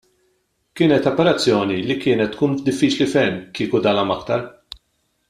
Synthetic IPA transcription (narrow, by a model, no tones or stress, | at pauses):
kɪːnɛt̪ɔpɛɾɐt͡sːjɔːnilikɪːnɛt̪ːkuːnd̪ɪfːiːt͡ʃlifɛmːkiːkud̪ɐːlɐmɐkt̪ɐɾ